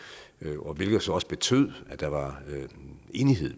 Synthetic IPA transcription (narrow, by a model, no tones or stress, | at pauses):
ʔɒ̽ʋe̝lɡ̥ð̩ˠsɒ̽ɒ̽sə̥b̥e̝t͡sʰøð̞̰ˠæd̥ɑ̈ʋɑ̈ | e̝ːniɦe̝ð̰ˠ